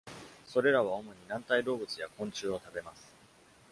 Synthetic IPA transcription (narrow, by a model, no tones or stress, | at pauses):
so̞ɾe̞ɾaβ̞ao̞mo̞ɲ̟inãnt̪aiɾo̞ːbɯ̟t͡sɨjakõ̞ɲ̟t͡ɕɨːo̞t̪abe̞masɨ̥